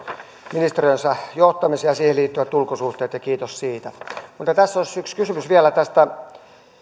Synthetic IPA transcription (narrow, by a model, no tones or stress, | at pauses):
minist̪erijønsɑjoht̪ɑmisiɑsiːheliːt̪ːyʋæt̪ːulkosuht̪eːt̪jɑkiːt̪ossiːt̪æmut̪ːˑɑt̪æsːosykskysymysʋiælæt̪æst̪æ